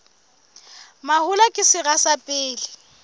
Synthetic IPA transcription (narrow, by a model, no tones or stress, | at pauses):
mahʊlakʼɪsɪɣasapʼɪːlɪ